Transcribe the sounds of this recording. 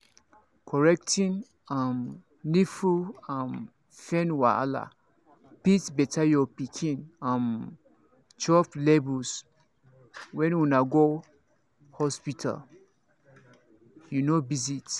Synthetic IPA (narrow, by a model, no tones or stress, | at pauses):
kʰɔɹɛk̚tĩn | ãm | nifuãm | fɛ̃nwa̰a̰la̰ | pitbɛtʰajɔpikʰĩnãm | t͡ʃɔflebus | wɛ̃nwunaɡo | hɔspitʰa̰l | junobizit